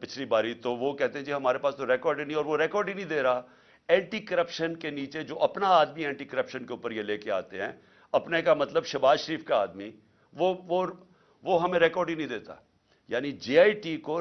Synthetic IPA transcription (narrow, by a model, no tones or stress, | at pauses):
pɪt͡ʃʰlibaːɾit̪oʋokɛɦt̪ẽɦɛ̃d͡ʒiɦɐmaːɾepaːst̪oɾɛːkɔːɾɖinɐĩɔːɾʋoɾɛːkɔːɾɖinɐ̃ĩd̪eːɾaa | ɛ̃ːɳʈikɐɾəpʃənkeniːt͡ʃed͡ʒoːʔɐpnaaːd̪miɛ̃ːɳʈikəɾəpʃənkeuːpəɾjeleːkea̰ːt̪eɦɛ̃ː | ɐpnekamɐt̪ləbʃɐbaːzʃəɾiːfkaaːd̪mi | ʋoʋo | ʋoɦɐmẽɾɛːkɔːɾɖinə̃ɐĩd̪eːt̪a̰ | jaːnid͡ʒeːaːiʈiko